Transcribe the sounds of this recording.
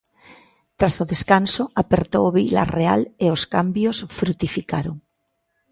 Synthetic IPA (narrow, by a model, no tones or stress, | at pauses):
t̪ɾasoðeskansoapeɾt̪oβila̰rea̰leoskambjosfɾut̪ifikaɾoŋ